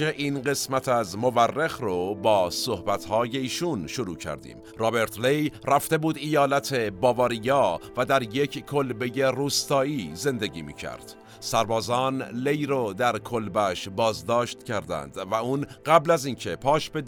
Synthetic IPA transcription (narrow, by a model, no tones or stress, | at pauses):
eʔiːnɢe̞smæt̪ʰæzmo̞værːexrobɒːso̞hbæt̪hɒːje̞iːʃunʃoɾuːcʰæ̰ɾd̪ḭːm | rɒːbe̞ɾt̪ʰlejræft̪e̞buːd̪ijɒːlæt̪ʰe̞bɒːvɒːɾijɒːvæd̪æɾje̞cʰkːʰolbe̞je̞ruːst̪ɒːiːze̞nd̪e̞ɟḭːmḭːcʰæ̰ɾd̪̥ | sæɾbɒːzɒːnlejɾod̪æɾkʰolbæʃbɒːzd̪ɒːʃt̪cʰæɾd̪æ̰nd̪væuːnɢæblæziːncʰe̞pʰɒːʃbe̞